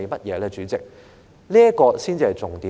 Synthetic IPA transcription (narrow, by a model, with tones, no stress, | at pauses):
jmɐ˥t̚jɛː˨˧lɛː˧t͡syː˨˥t͡sɪ˨k̚ | liː˥ɐ˥kɔː˧siː˥nt͡siː˧hɐ˨jt͡sʊ˨ŋt̪iː˨˥